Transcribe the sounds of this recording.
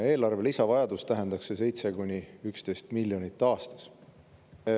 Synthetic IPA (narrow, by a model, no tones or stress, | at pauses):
e̞ːlɑrve̞lisɑvɑjɑd̪ust̪æɦe̞nd̪̥ɑkse̞se̞jt̪se̞kunʲiykst̪e̞jst̪miljo̞nʲit̪ːˑɑːst̪ɑ̥s